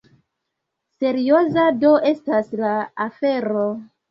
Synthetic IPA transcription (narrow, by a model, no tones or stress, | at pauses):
se̞ɾio̞zado̞ʔe̞staslaafe̞ɾo